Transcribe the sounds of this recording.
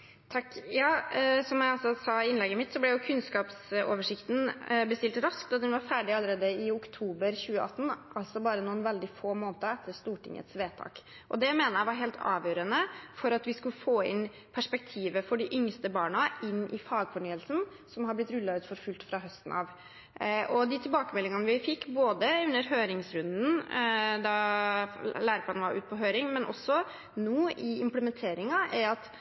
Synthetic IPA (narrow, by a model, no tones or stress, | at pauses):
t̪ʰɑkːjɑːsɔmjæɪɑlsɔsɑɪnlɛɡːəmɪt̪sɔblɛjʊkʰʉnskɑːpso̰ːʋəʂɪkt̪n̩bəst̪ɪlt̪ɾɑsk̚t̪ɑt̪d̪ɛnʋɑɾfæːɖɪɑlːəɾeːd̪əɪʊkt̪ʰuːbəɾçʉːəʔɑt̪ːn̩ʔɑlt̪sɔbɑːɾənuːənʋɛld̪ɪfoːmoːnt̪əɛt̪ʰːəɾʂt̪uːʈʰɪ̰ŋːə̰t̪sʋeːt̪ʰɑ̰ːk | ʔɔd̪ɛmeːnəæɪʋɑɾɦeːlt̪ʰɑ̰ːʋjøːɾənəfɔɾɑt̪ʋɪskʉləfoːɪ̰n | pʰæʂpɛk̚t̪ʰiːʋəfɔɖɪʔʏŋst̪əbɑːɳɑɪnːʔɪfɑːɡfɔɳyːəlsn | sɔmhɦɑblɪt̪ɾʉlːɑʉːt̪fɔɾfʉlt̪fɾɑɦœst̪n̩ɑ̰ʋ | ɔd̪ɪt̪ʰɪlbɑːkəmɛlːɪŋɑnəʋɪfɪkːboːd̪əʉnːəɾɦøːɾɪŋsɾʉnd̪n̩d̪ɑ | læːɾəpʰɑnʋɑɾʔʉ̰ːt̪̚pʰɔɦøːɾɪŋmɛnʔɔ̰sːɔ | nuːɪɪmpləmɛnt̪ʰeːɾɪŋɑʔæɾɑt̪